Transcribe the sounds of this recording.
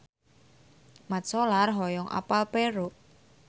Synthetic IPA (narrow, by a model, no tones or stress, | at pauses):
mat̪sɔlarɦɔjɔŋʔa̰palpeɾoʔ